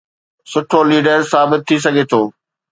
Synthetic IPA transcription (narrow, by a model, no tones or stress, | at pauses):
sʊʈʰoliːɖəɾsaːbɪt̪̚ʰːis̬ɐɡʱet̪ʰoː